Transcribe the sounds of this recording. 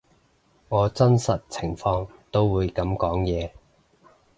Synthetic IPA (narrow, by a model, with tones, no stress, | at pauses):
ŋɔː˨˧t͡sɐ˥nsɐ˨t̚t͡sʰɪ˨˩ŋfɔː˧ŋt̪o˥wwuː˨˧jkɐ˨˥mkɔː˨˥ŋjɛː˨˧